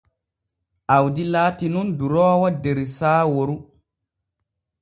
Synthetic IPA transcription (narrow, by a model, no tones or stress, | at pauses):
ʔawdilaːtinunduɾɔːwadeɾisaːwoɾu